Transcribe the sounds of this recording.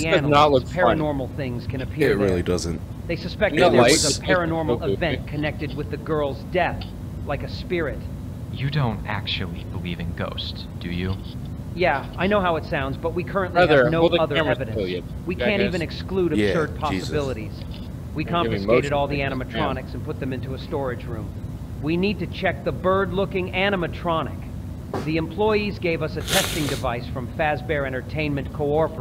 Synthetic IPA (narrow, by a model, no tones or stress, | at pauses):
ðiænələpʰɛɹənɔɹml̩ˠθɪ̃ŋz̥kʰɨ̃ñɨpʰɪɹt̚ɹɪlˠidʌzɨ̃nt | ðeɪsɨspɛk̚zəpʰɛɹɨnɔɹml̩ˠɪvɛ̃nkʰɨnɛk̚tɨd̚wɨðɨɡɜ˞lˠzdɛθ | laɪkɨspɪɹɪt̚ | jɨdõʊ̃ntæ̰k̚t͡ʃul̩ˠibəlivɪ̃ŋɡo̰ʊst | d̥ɨjɨ | jæaɪnoʊɦaʊɨtsãʊ̃ndzbʌt̚wikʰɜ˞ɨ̃nʔlinoʊʌðə˞ɛvɨɾɨ̃ | wikʰæ̃ntivɨ̃nɨkskluɾ̥sɜ˞d̚pʰɑsəbɪlˠəɾiz̥ | wikʰɑ̃mfɨskeɪɾɨɾɔlˠðiæñəmɨtʰɹ̥ɑnɨksn̩pʊt̪̚ðɨ̃mɪ̃ntuəstɔɹɨd͡ʒɹʉ̃m | winid̚tɨt͡ʃʰɛk̚ðəbɜ˞dˡlʊkɪ̃ŋæñɨmɨtʰɹ̥ɑnɨ̰k | ðiɨ̃mpʰl̥ɔɪizɡeɪvʌsɨtʰɛstɪ̃ŋdɨvaɪsfɹʌ̃ɱfæzbɛɹɛ̃ɾ̃ə˞tʰẽɪ̃nmɨ̃nkʰoʊɔɹfə˞